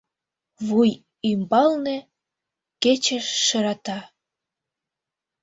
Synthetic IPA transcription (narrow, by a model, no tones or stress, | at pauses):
βuj | imbɑlnĕ | ket͡ɕəʃːə̆ɾɑt̪ɑ